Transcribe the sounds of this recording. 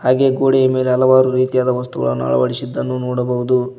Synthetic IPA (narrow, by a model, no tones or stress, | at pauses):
haːɡe̞ːɡoːɽejɐme̞ːleɐlɐʋaːɾuɾiːt̪ijaːd̪ɐʋɐst̪uɡɐ̰ɭɐnːa̰ɭɐ̰ʋɐɽisid̪ːɐnːunoːɽɐbɐɦud̪u